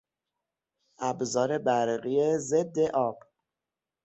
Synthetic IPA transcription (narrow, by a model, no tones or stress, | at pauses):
ʔæbzɒːɾe̞bæɾɣijeze̞d̪ːe̞ʔɒːb̥